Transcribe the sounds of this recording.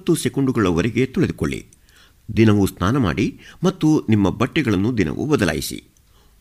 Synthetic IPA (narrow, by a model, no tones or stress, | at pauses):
t̪ːusɛkuɳɖuɡɐɭɐʋɐɾɛɡe̞t̪ɔɭed̪uko̰ɭːḭ | d̪inɐʋusnaːnɐma̰ːɽimɐt̪ːunimːɐbɐʈːɛɡɐɭɐnːud̪inɐ̰ʋṵbɐd̪ɐla̰ːjḭsḭ